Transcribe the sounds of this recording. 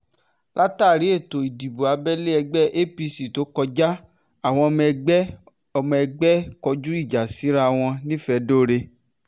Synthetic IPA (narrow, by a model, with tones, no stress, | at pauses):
lʔa˦taː˦˨ɾi˨˦e˦˨to˨i˨di˨bo˨a˨˧bɛ˦le˦ɛ˧ɡ͡bɛ˦ʔe˦pi˧si˨to˨˦kɔ˧d͡ʒa˦ | a˦˨w̃ɔ̃˧ɔ˧mɛ˧ɡ͡bɛ˦ | ɔ˧mɔ̃˧ɛ˧ɡ͡bɛ˦kɔ˧d͡ʒu˦i˦˨d͡ʒa˨si˨˦ɾa˦˧w̃ɔ̃˧nĩ˦fɛ˧do˦˨ɾe˧